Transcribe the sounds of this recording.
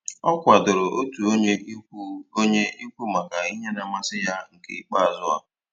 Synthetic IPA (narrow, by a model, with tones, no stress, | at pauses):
ɔ˦kʷa˨dʊ˨ɾʊ˨o˦tu˨o˦ɲe˦o˦ɲe˦i˦kʷu˦ma˨ka˨i˦ɦe˦na˨ma˦sɪ˦ja˦ŋ̩˨kḛ˨i˦k͡pa˦a˨zʊ˦a̰˨